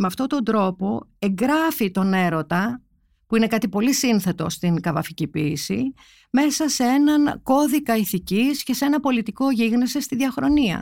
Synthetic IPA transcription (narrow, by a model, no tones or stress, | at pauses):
meɐft̪o̞t̪o̞nd̪ɾo̞po̞e̞ŋɡɾɐfit̪o̞ne̞ɾo̞t̪ɐ | puine̞kɐt̪ipo̞lisinθe̞t̪o̞st̪iŋkɐvɐficipiːsḭ | me̞sɐsee̞nɐnko̞ðikɐiθicisce̞see̞nɐpo̞lit̪iko̞ʝiɣnisist̪iðʝɐxɾo̞niɐ̰